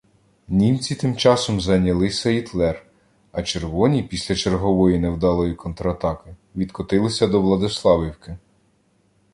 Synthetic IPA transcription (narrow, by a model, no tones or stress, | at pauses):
nʲimt͡sʲit̪ɪmt͡ʃɑsɔmzɐnʲɐlˠɪsʲɐit̪lˠɛr | ɐt͡ʃe̞rʋɔnʲipʲisʲlʲɐt͡ʃerɦɔʋɔjinewd̪ɑlˠɔjikɔnt̪ɾɐɐt̪ɑkɪ | ʋʲid̪kɔt̪ɪlˠɪsʲɐd̪ɔʋlˠɐd̪ɪslˠɑʋʲiwkɪ